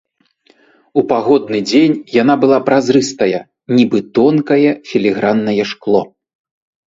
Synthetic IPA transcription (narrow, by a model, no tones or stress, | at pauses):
upaɣɔd̪nɨd͡zʲenʲjan̪abɨlˠapɾazɾɨst̪ɐjɐ | nʲibɨt̪ɔnkɐjɛfʲilʲiɣɾanːɐjɛʂklˠɔ